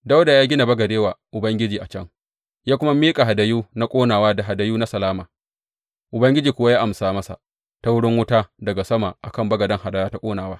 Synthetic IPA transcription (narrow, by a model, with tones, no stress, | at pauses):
da˦wda˨jaː˦ɡʲɪ˦na˨bɐ˦ɡɐ˨deː˦waː˨ʔʊ˨bɐ˦ŋɡʲɪ˦d͡ʒiː˨ʔa˨t͡ʃɐ˦ŋ | jaː˦kʷʊ˦ma˦miː˦kʼa˨ɦa˨da˨juː˦na˦kʷʼoː˦naː˨waː˦da˨ɦa˨da˨juː˦na˦sɐ˨laː˦maː˨ | ʔʊ˨bɐ˦ŋɡʲɪ˦d͡ʒiː˨kʷʊ˦wa˦jaː˦ʔa˨msaː˨mɐ˦sa̰˨ | ta˦wʊ˦ɽɪ˦ŋwʊ˦taː˦dɐ˨ɡa˨sɐ˦ma˨ʔa˨kɐ˦˨mbɐ˦ɡɐ˨dɐ˦ŋhɦa˨da˦jaː˦ta˦kʷʼoː˦naː˨waː˦